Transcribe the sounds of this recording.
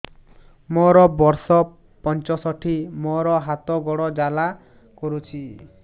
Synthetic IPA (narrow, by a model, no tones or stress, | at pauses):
mɔɾɔbɔɾsɔ | pɔnt͡ʃɔsɔʈʰimɔɾɔɦat̪ɔɡɔɽɔd͡ʒala | kɔɾut͡ʃʰi